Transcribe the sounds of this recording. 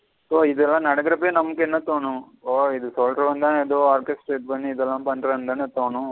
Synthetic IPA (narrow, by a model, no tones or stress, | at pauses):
soːɪd̪ɛlːãːnɐɽɐkɪɾɐpːeːnɐmɐkːɛnːɐt̪oːɳũ | oːɪðɯsoːlɾɐʋɐnd̪aːnɛðoːaːɾkesʈʈeːʈ̚pɐɳːiːðɛlːãːpɐɳɖɾɐnd̪aːnɐt̪oːɳũ